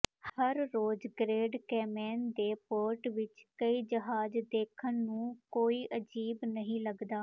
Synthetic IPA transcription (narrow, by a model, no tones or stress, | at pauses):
həɾːoːd͡ʒɡɾeːɖkɛːmɛːnd̪eːpoːɾʈʋɪt͡ʃkəiːd͡ʒəɦaːd͡ʒd̪eːkʰənːũːkoːiːʔəd͡ʒiːbnəɦĩːləɡd̪aː